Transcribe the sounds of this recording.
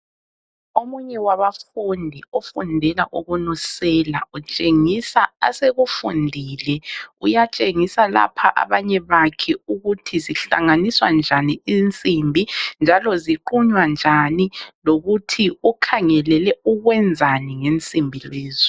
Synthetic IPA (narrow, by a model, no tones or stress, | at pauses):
omuɲɛwaβafundʱiɔfundʱɛlaʔuɣunusɛlaut͡ʃʼeŋisaa̰seɣufundʱiːlɛujat͡ʃʼeŋisala̰pʰaʔa̰βaɲɛβakʰɛuɣutʰiziɬa̰ŋaniswand͡ʒʱaniint͡sʼimbʱind͡ʒʱalɔziǃuɲwand͡ʒʱaniloɣutʰiukʰaŋɛlɛlɛuɣwɛnd͡zʱaniŋent͡sʼimbʱileːzɔ